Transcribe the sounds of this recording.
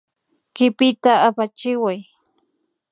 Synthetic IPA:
kɪpɪt̪aːpat͡ʃɪwaj

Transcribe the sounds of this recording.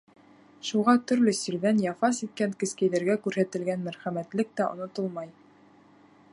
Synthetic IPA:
ʃuʁɑt̪ɵ̆ɾlɵsɵ̆ɾðænjɑfɑsit̪̚kæŋkɘ̆skæjðæɾɡækʉɾhæt̪ɘ̆lɡænmæɾχæmæt̪lɘk̚t̪æŏ̰nŏt̪ɤlˠmɑj

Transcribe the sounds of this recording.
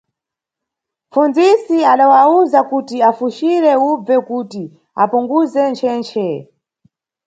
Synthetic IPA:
funzisiaɗawauzakutiafuʃiɾɛub͡vɛkuti | a̰puŋɡuzɛnt͡ʃʰɛːnt͡ʃʰɛ

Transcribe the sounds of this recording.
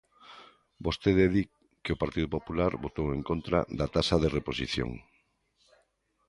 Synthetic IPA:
bost̪eðeði | kɪopaɾt̪iðʊpopulaɾbot̪oweŋkont̪ɾa̰ðat̪asaðereposḭθjo̰ŋ

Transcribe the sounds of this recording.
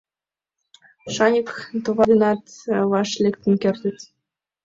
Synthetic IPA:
ʃɑnʲikt̪oβɑd̪ənɑt̪βɑʃlʲekt̪ə̆nkerʲt̪ʲə̆t̪ʲ

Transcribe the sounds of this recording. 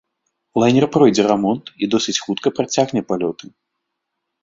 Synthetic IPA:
lˠajnʲɛrpɾɔjd͡zʲɛramɔnt̪id̪ɔsɨt͡sʲxut̪kɐpɾat͡sʲaɣnʲɛpalʲɔt̪ɨ

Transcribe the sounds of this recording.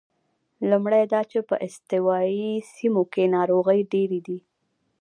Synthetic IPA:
lumɽajd̪ɑt͡ʃepəʔɪst̪ɪwɑisimokenɑɾoɣəjɖeɾed̪i

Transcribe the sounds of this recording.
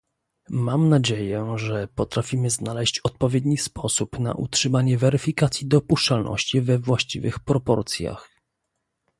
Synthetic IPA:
mamnad͡ʑejɛʐɛpɔt̪ɾafʲimɘznalɛɕt͡ɕɔt̪̚pɔvʲjed̪ɲispʰɔsupna̰ʔṵtʂɘmaɲɛvɛɾɘfʲikat̪sʲjid̪ɔpuʂt͡ʂalnʔɔ̰ɕt͡ɕivɛvwaɕt͡ɕḭvɘ̰xpɾɔpɔ̰ɾt̪sʲja̰x

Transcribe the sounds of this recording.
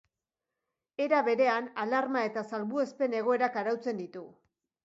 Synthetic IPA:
e̞ɾaβe̞ɾe̞analaɾmae̞t̪asalβue̞spe̞ne̞ɣ̞o̞e̞ɾakaɾawt͡se̞nd̪it̪u

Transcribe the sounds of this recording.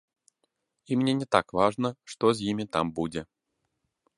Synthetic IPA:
imnʲenʲɪt̪akvaʐnəʂt̪oz̬ʲjimʲɪt̪a̰mbudʲɪ

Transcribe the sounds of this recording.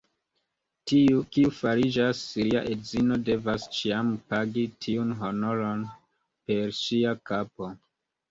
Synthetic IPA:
tiukiufaɾid͡ʒasːiɾia̰ʔedzino̞de̞vast͡ʃiampaɡitʰiunɦo̞no̞ɾo̞n | pe̞ɾʃiakapo̞

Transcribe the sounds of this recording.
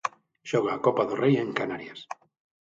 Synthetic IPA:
ʃɔɣ̞aːkɔpaðorejẽŋkanaɾjas

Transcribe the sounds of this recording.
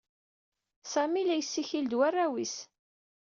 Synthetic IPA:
sæmilæjsːiçild̪wærːæwis

